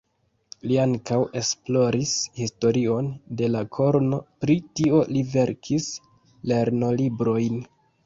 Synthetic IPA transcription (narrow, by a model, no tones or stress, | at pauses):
liaŋkawʔe̞splo̞ɾishisto̞ɾio̞nde̞lakʰo̞ɾno̞pɾitio̞live̞ɾkʰis | le̞ɾno̞libɾo̞jn